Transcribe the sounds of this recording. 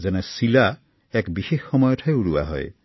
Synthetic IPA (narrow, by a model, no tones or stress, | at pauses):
zɛnɛsila | ɛkbixexxɔmɔjɔtʰajuɹua̰ɦɔ̰j